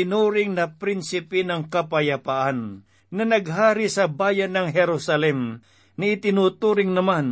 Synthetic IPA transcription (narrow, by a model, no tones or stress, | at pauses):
ɪnuːɾɪŋnɐpɾɪnsɪpɛnɐŋkɐpɐjɐpaʔanː | ɐnɐɡɦaːɾɪsɐbaːjɐnːɐŋɦɛɾusɐlɛm | nɐɪt̪ɪnuːt̪uɾɪŋnɐman